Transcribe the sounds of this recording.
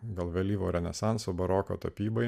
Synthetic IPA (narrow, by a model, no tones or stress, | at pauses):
ɡɐlˠʋʲɛlʲiːʋoːɾʲɛnʲɛsɑˑnsobɐɾɔːko̰ːt̪ɐpʲiːbɐɪ